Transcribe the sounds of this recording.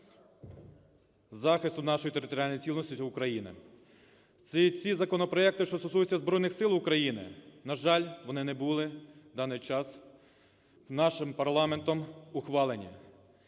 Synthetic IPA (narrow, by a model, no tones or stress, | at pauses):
zɑxɪst̪ʊnɑʃɔjit̪eɾɪt̪ɔɾʲɪalʲnɔjit͡sʲilˠnɔsʲtʲiʊkɾɐjinɪ̰ | sit͡sʲizɐkɔnɔpɾɔɛk̚t̪ɪʃt͡ʃ̪ɔst̪ɔsujʊt͡sʲːɐzbɾɔjnɪxsɪlˠʊkɾɐjinɪ̰nɐʒɑlʲʋɔnɪnɛbulˠɪd̪ɑnɪjt͡ʃɑs | nɑʃɪmpɐɾlˠɑment̪ɔmʊxʋɑlˠenʲːɐ̰